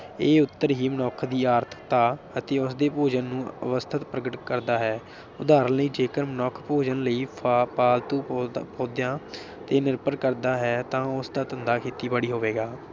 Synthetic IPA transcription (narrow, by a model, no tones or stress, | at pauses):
eːʊt̪ːəɾɦiːmənɔːkʰd̪iːaːɾt̪ʰt̪aː | ət̪eːʊsd̪eːpoːd͡ʒənːũːə̰ʋəst̪ʰət̪pɾəɡəʈkəɾd̪aːɦɛː | ʊd̪aːɾənləiːd͡ʒeːkəɾmənɔːkʰpoːd͡ʒənləiːpaːlt̪ũːpʰoːd̪jãː | t̪eːnɪɾpəɾkəɾd̪aːɦɛːt̪ãːʊsd̪aːt̪ənd̪aːkʰeːt̪iːbəɽiːɦoːʋeːɡaː